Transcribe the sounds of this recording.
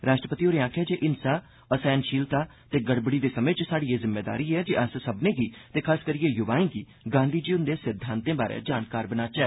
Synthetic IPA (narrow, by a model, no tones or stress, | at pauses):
ɾaːʃʈɾəpət̪iːoːɾeːãːkʰɛːd͡ʒeːʔɪnsaː | əsɛːnʃiːlt̪aː | t̪eːɡəɽbɽiːd̪eːsəmẽːt͡ʃsaːɽiːeːzɪmːeːd̪a̰ːɾiːɛːd͡ʒeʔəssəbnẽːɡiːt̪eːkʰaːskəɾiːeːjʊʋaːẽːɡiː | ɡãːnd̪ʱiːd͡ʒiːʊnd̪eːsɪd̪ʱːãːnt̪ẽːbaːɾḛːd͡ʒaːnkaːɾbənaːt͡ʃɛː